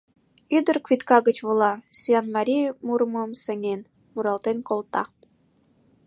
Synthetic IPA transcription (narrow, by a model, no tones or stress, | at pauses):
yd̪ə̆rkvit̪kɑɣət͡ɕβolɑsyjɑnmɑɾʲijmuɾməmsə̆ŋen | muɾɑlt̪enkolˠt̪ɑ̰